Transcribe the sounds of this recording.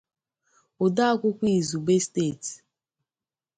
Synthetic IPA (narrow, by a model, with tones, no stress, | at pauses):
o˨da˦kʷʊ˦kʷi˦˨zu˨ɡ͡be˦ste˦˨ti̥˨